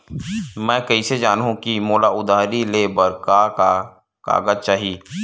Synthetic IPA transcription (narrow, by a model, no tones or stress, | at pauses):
mɛ̃ːkɐised͡ʒaːnɦũkimoːlaʊd̪ʱaːɾileːbəɾka | ka̰ːɡəd͡ʒt͡ʃaːɦiː